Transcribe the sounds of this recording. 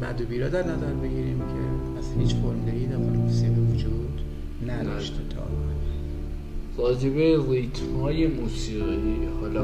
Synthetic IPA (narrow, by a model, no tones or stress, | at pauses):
mæd̪obiːɾɒːd̪æɾnæzæɾbe̞ɡiːɾiːmcʰepʰæshiːt͡ʃfoɾmud̪eɾijenæfæɾmusiɣiːvod͡ʒuːd̪ | næd̪ɒːʃt̪ʰet̪ʰɒ̰ː | vɒːd͡ʒebeɾit̪ʰhɒːjemuːsiːɣidhɒːlɒ